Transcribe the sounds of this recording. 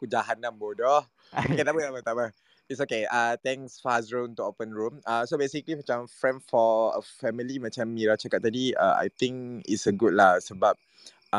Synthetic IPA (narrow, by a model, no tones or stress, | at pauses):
kud͡ʒaɦanãmbodɔh | kenabət̪amət̪amə | itsokeat̪ɛ̃ŋsfazɹõnt̪uopə̃nɹũmasobesiklimat͡ʃãmfɹɛ̃nfɔə̰fɛmilimat͡ʃãmːiɹat͡ʃakat̚t̪ːadia̰a̰jt̪ĩŋkḭtsəɡut̚lahsəbap̚